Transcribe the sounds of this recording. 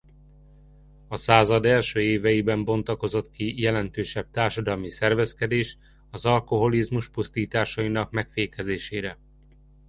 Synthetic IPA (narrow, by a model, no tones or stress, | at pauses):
ɒsaːzɒd̪ɛlʃøːeːvɛjibɛmbo̞nt̪ɒko̞zo̞t̪kijɛlɛnt̪øːʃɛb̚t̪aːrʃɒd̪ɒlmisɛrvɛskɛd̪eːʃ | ɒzɒlko̞ɦo̞lizmuʃpust̪iːt̪aːʃɒinɒkmɛkfeːkɛzeːʃeːɾɛ